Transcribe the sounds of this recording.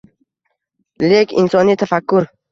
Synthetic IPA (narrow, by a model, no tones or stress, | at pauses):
lekʰʲɪ̰nsɒnit̪ʰafakːʊɾ